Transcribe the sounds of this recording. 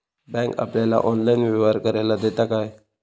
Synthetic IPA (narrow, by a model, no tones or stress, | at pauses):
bɛ̃ŋka̰pljala̰ʔɔnlainʋɛʋaɾkəɾalad̪et̪akaj